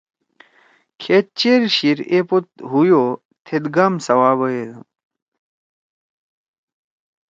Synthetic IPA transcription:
kʰet̪̚t͡ɕeɾɕiɾepot̪̚ɦujoː | t̪ʰed̪ɡaːmsɐwaːbəjed̪

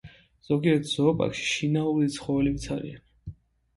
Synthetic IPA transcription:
z̥ɔɡiɛɾt̪ʰz̥ɔːpʼa̰kʃi̥ʃinauɾit̪sʰχɔvɛlimt̪sʰaɾḭan

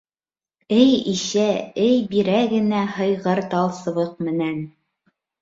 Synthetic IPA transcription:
ɘjiʃæɘjbiɾæɡɘ̆næhɤ̆jʁɤɾt̪ɑlˠsɤ̆βɤq̚mɘ̆næn

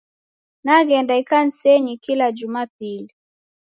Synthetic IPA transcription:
naɡɛndaikan̩sɛɲikilad͡ʒumapili

